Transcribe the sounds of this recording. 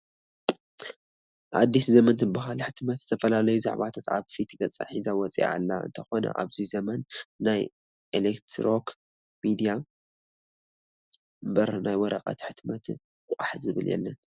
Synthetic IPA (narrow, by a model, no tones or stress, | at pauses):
ʔa̰d̪ːiszɐmɐnt̪ʰɨbɨɦalħɨt̪mɐt̪z̥ɨ̥t̪ʰɐfɐlalɐjuza̰ʕβat̪ʰat̪a̰βfit̪ʰɡɐt͡sʼa̰ħizawɔt͡sʼḭʔa̰lːa̰ɨ̰nt̪ʰɐxo̞nɐ̰ʔa̰βzizɐmɐnːaj | ʔelekt̪ʰɾok | mid̪ija | mbɐɾnajwɔɾɐqʼɐ̰t̪ħɨt̪mɐt̪ʰ | kʼaħzɨβɨljɛ̰lːɐn